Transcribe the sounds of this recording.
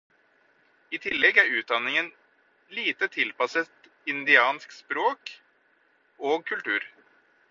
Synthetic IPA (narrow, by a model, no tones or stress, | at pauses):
ɪt̪ʰɪlːɛɡæɾʉːt̪̚d̪ɑnːɪŋən | liːt̪ət̪ʰɪlpɑsət̪ | ɪnd̪ɪɑːnskspɾoːk | oːɡ̚kʰʉlt̪ʉːɾ